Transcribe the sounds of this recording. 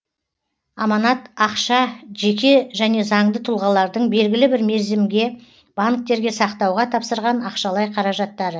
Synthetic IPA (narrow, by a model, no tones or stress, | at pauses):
ɑmɑnɑt̪ɑqʃɑʒe̞kʲe̞ʒæne̞zɑɴd̪ət̪ʰʊlˠʁɑlˠɑɾd̪əɴbe̞lɡʲɪlɪbɪɾme̞ɾzɪmɡʲe̞ | b̥aŋk̚t̪e̞ɾɡʲe̞sɑqt̪ɑwʁɑt̪ʰɑpsəɾʁɑnɑqʃɑlˠɑjqʰɑɾɑʒɑt̪ːɑɾə